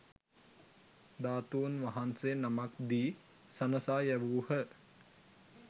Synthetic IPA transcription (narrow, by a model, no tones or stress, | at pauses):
d̪aːt̪uːnʋaɦansenamakd̪iː | sɐnəsaːjæʋuːhə